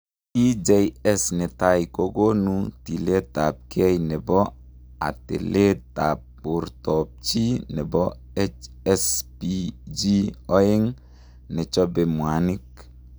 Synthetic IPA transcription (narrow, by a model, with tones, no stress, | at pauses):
i˦d͡ʒe˨˦jɛ˦sne˨ta˦jko˦ɡo˦nu˦ti˨le˦ta˨p̚kʰɛ˦jne˨bɔ˦ | a̰˨tḛ˨le˦ta˨p̚ː | u˨ɾtɔ˨p̚t͡ʃi˦nɛ˨bɔ˦ | ɛ˦t͡ʃ | ɛ˦spi˨d͡ʒi˦ɔ˦ɪ˦ŋ | nɛ˨t͡ʃɔ˦be˨mwa˨nɪ˦k̚